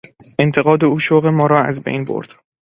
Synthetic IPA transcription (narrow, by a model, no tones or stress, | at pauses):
e̞nt̪ʰe̞ɣɒːd̪e̞uːʃoɣe̞mɒːɾɒːæ̰zbḛjnbo̰ɾd̪̥